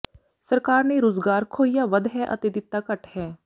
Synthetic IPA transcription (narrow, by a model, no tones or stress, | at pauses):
səɾkaːɾneːɾoːzɡaːɾkʰoːijaːʋəd̪ɦɛːʔə̰t̪eːd̪ɪt̪ːaːkəʈhɛː